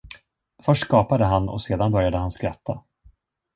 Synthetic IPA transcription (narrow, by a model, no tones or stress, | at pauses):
fœʂʈːkɑːpad̪əɦanɔ̰seːd̪anbœɾjad̪əɦanskɾat̪ʰːa